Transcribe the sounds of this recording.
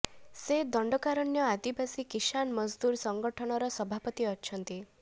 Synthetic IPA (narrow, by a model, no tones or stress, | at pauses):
sed̪ɔɳɖɔkaɾɔnjɔad̪ibasikisanmɔzd̪uɾsɔŋɡɔʈʰɔɽ̃ɔɾɔsɔbʱapɔt̪iɔt͡ʃʰɔnt̪i